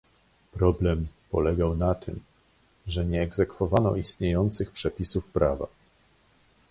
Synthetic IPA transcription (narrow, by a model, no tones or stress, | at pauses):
pɾɔblɛmpɔlɛɡawnat̪ʰɘ̰m | ʐɛɲɛːɡzɛkfɔvanɔ̰ist̪ɲejɔnt̪sɘxpʂɛpʲisufpɾava̰